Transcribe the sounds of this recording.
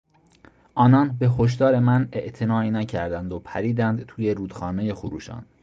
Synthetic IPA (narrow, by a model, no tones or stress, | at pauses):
ʔɒːnɒːnbe̞ɦo̞ʃ̬d̪ɒːɾe̞mæne̞ʔt̪ʰe̞nɒːinæcʰæɾd̪ænd̪opʰæɾiːd̪ænd̪t̪ʰuːje̞ɾuːd̪̥xɒːne̞je̞xuɾṵːʃɒ̰ːn